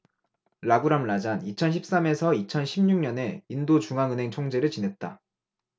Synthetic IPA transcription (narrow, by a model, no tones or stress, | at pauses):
ɾaɡuɾamɭad͡ʑanit͡ɕʰʌnɕʰip̚s͈ame̞sʰʌit͡ɕʰʌnɕʰimɲuŋɲʌne̞indot͡ɕuŋaŋɯnɦe̞ŋt͡ɕʰoŋd͡ʑe̞ɾɯɭt͡ɕinɦe̞t̚t͈a̰